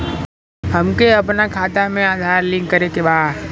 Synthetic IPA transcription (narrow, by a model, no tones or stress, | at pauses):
ɦɐmkeɐpnakʰaːt̪amẽaːd̪ʱaːɾlɪ̃ŋkːəɾekebaːd̪